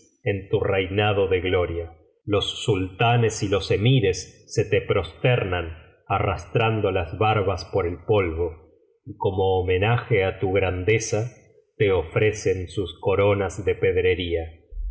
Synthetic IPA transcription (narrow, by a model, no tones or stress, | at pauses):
ent̪urejnað̞oðeɣlo̞ɾja | lo̞sːult̪anesilo̞se̞miɾe̞sːet̪epɾo̞st̪eɾnan | arast̪ɾand̪olazβaɾβaspo̞ɾe̞lpo̞lβo̞ | iko̞moːme̞naxe̞at̪uɣɾand̪esa | t̪e̞ofɾese̞nsusko̞ɾo̞nazðe̞pe̞ðɾe̞ɾia